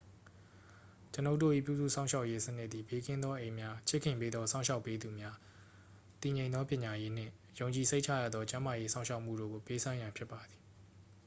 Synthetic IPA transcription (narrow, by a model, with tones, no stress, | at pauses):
t͡ɕə˨no˦ʊtːo̰˦˨ʔḭ˦˨pjṵ˦˨zṵ˦˨sã˦ʊ̃ʃa˦ʊʔje˦sə˦nɪ˦t̪ːi˨be˦kʰɪ̃˦nd̪ðɔ˦ʔẽ˨ɪ̃mja˦t͡ɕʰɪ˦ʔkʰːɪ̃˨mpe˦d̪ðɔ˦sʰã˦ʊ̃ʃa˦ʊpːe˦d̪u˨mja˦ | t̪i˨ɲẽ˨ɪ̃ðɔ˦pjɪ̃˨ɲa˨je˦n̥ɪ̰̃˦˨ | jõ˨ʊ̃ɲt͡ɕi˨s̬ʰe˦ɪʔt͡ɕʰa̰˦˨ja̰˦˨d̪ðɔ˦t͡ɕã˦ma˨je˦sã˦ʊ̃ʃʰa˦ʊʔm̥ṵ˦˨do̰˦˨ɡo˨pe˦sʰã˦jã˨mpʰjɪ˦pːa˨d̪ði˨